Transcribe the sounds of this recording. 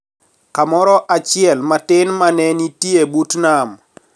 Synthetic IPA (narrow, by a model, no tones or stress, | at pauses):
kamɔɾɔʔat͡ʃɪɛlmatɪnmanɛnitiebutnam